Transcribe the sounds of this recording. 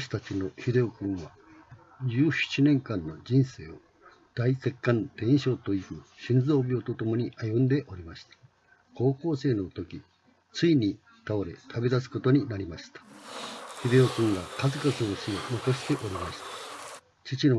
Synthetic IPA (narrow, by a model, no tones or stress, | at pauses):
ɕi̥t̪at͡ɕino̞çid̪e̞okɯ̟̃ɰ̃βa | d͡ʑɨːɕi̥t͡ɕinẽ̞ŋkãnːo̞d͡ʑĩɰ̃se̞ːo̞ | d̪̥aise̞kːãnt̪ẽ̞ɰ̃ɕo̞ːt̪o̞ikɯ̟ɕĩnd͡zo̞ːbʲot̪o̞t̪o̞mo̞ɲ̟iʔajɯ̃nd̪e̞ʔo̞ɾʲimaɕi̥t̪ḁ | ko̞ːko̞ːse̞ːno̞t̪o̞kʲi | t͡sɨiɲ̟i | t̪aoɾe̞̰t̪ʰabe̞d̪asɨ̥ko̞t̪o̞ɲ̟inaɾʲimaɕi̥t̪ḁ | çid̪e̞okɯ̟̃ŋɡakazɨkazɨoɕionokaɕi̥t̪e̞ʔo̞ɾʲimaɕi̥t̪ḁ | t͡ɕit͡ɕino